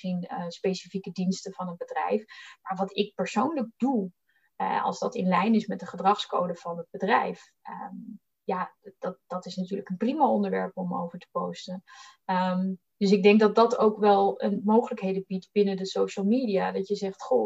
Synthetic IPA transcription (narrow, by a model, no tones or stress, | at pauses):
χinəspejsifikədinstəv̥ɑnənbədrɛ̰jfmaːɹʋɑtɪk̚pəɹsownləɡ̚d̥ṵ | ɑ̰lˠzdɑtɪnlɛjnɪsmɛt̚dəχədrɑχskowdəv̥ɑnəd̚bədrɛ̰jf | ə | jaːd̥ɑtd̥ɑtɪsnatyːɹləkənprimaɔndəɹʋɛɹpɔmo̰wvəɹtə̥powstə | əm | d̥ɵs̬ɪɡ̚dɛŋk̚dɑt̚dɑtowkʋɛlˠə̰nmowχələkɦejdəbitb̥ɪnəndəsowʃəlˠmiːdiadɑtjəzɛχtχo